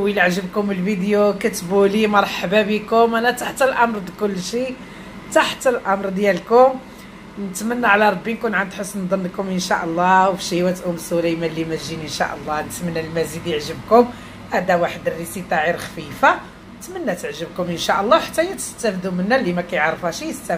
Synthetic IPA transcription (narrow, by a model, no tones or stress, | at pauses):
wilʕʒəbkʊmːəlbid̪jokæt̪bulimɑɾˤħbabikʊmʔænæt̪aħt̪əlʔɑmɾˤd̪kʊlːʃi | t̪aħt̪əlʔɑmɾˤd̪jælkʊm | nət̪mənːaʕlæɾˤɑbːinkunʕand̪ħəsːnd̪ˤɑnːkʊmʔənʃæʔəlˤːɑwfʃiwæt̪ʔumsʊlæjmælːimæʒinənʃæ̰ʔəlˤːɑnət̪mənːælmæzid̪jəʕʒəbkʊm | ʔæd̪æwaħəd̪ərːisit̪ˤɑʕilxfifa | ət̪mənːæt̪əʕʒəbkʊmʔənʃæʔəlˤːɑwħat̪ːæjæt̪ə̥st̪æfd̪umənːælimækæjəʕɾˤfæʃijəst̪æ